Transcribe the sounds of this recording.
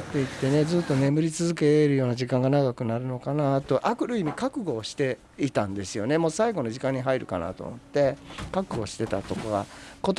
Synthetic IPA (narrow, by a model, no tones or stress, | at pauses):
t̪ːe̞it̪ːe̞ne̞d͡zɨːt̪ːo̞ne̞mɯ̟ɾʲit͡sɨzɨk̬e̞ɾɯ̟jo̞ːnaʑikãŋɡanaɡakɯ̟naɾɯ̟no̞kanat̪o̞ʔakɯ̟ɾɯ̟imʲikakɯ̟ɡo̞ːɕi̥t̪e̞ | it̪ãnd̪e̞sɨjo̞ne̞mosaiɡo̞no̞ʑikãɲ̟ːiɦaiɾɯ̟̰ka̰na̰t̪o̰mo̞t̪ːe̞kakɯ̟ɡo̞ːɕi̥t̪e̞t̪at̪o̞koɡa̰ko̞t̪